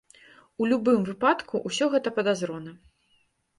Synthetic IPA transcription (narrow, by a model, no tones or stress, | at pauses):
ulʲubɨmvɨpat̪kʰuʔusʲɔɣɛt̪ɐpɐd̪azɾɔnɐ